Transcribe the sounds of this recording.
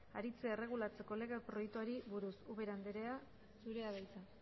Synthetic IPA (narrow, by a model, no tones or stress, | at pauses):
a̰ɾit͡seere̞ɣ̞ulat͡se̞ko̞le̞ɣepɾo̞jekt̪uaɾiβuɾusuβe̞ɾand̪eɾea | suɾe̞aðejt͡sa